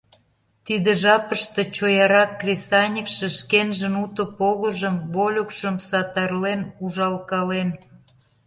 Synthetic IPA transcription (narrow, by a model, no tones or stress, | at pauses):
t̪id̪ĕʒɑpəʃt̪ĕt͡ɕojɑɾɑkːrʲesɑnʲikʃĕʃkenʒə̆nut̪ə̆poɣə̆ʒəmβolʲokʃəmsɑt̪ɑrlenuʒɑlkɑlen